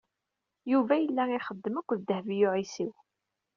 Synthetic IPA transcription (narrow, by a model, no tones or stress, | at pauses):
juvæjəlːæiχəd̪ːəmækʷːðd̪əhvijʊʕisiw